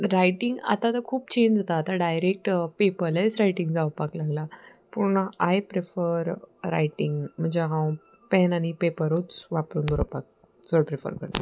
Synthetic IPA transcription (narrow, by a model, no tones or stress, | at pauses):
ɾajʈiŋɡa̰t̪at̪əɾkʰuːpt͡ɕeɲd͡ʑd͡zat̪aːt̪aɖajɾek̚ʈpepəɾlesɾajʈiŋɡd͡zawpaklaɡlapuɾɳaajpɾefəɾɾa̰jʈiŋɡm̤əɳd͡ʑeɦãw | pɛnañipepəɾot͡sʋapɾuːnd̪uɾəpak̚ | səɽpɾefə̰ɾkə̰ɾt̪a